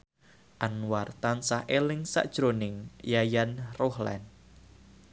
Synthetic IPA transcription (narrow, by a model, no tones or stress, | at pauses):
ʔanuwart̪ansahʔelɪŋsa̰ʔd̥ʒ̥ɾonɪŋjajanrohlɛ̰n